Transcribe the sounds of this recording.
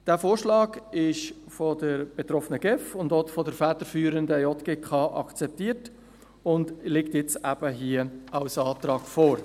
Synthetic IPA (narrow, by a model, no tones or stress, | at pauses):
d̥æːfoːɾʃlɑːɡɪʃ | fɔdəɾb̥et̪ɾɔfənəɡɛfʊndɔtfɔdəɾfɛːt̪əɾfyːɾəndəjɔtɡ̥ekχɑʔɑ̰kt͡sɛp̚tiːəɾt | ʊndlɪktjɛt͡sæb̥əɦiəɑwsɑːt̪ɾɑːɡfoːɾ